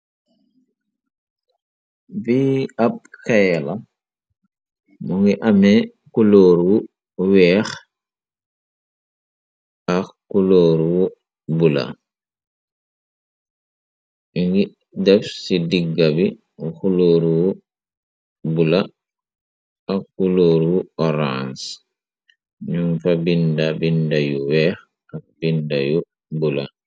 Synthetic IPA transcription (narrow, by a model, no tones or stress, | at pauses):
viab̚kajla | muŋɡiʔamɛ | kuloːɾuwu | wɛːx | axkuloɾuwu | bula̰ | iŋɡi | dɛfsidiɡːabi | xuloːɾuwu | bula | akuloːɾwuɔɾans | ɲuŋfabindabindajuwɛːx | akbindaju | bula̰